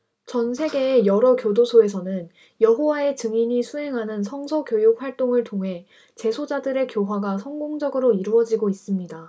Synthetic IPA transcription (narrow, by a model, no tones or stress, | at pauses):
t͡ɕʌnsʰe̞ɡe̞ːjʌɾʌkjodosʰoe̞sʰʌnɯn | jʌɦowae̞t͡ɕɯŋiɲisʰuɦe̞ŋɦanɯnsʰʌŋsʰʌkjojuk̚ɸwaɭt͈oŋɯɭtʰoŋɦe̞ | t͡ɕe̞sʰod͡ʑadɯɾe̞kjoɦwaɡasʰʌŋɡoŋd͡ʑʌɡɯɾoiɾuʌd͡ʑiɡois͈ɯmɲida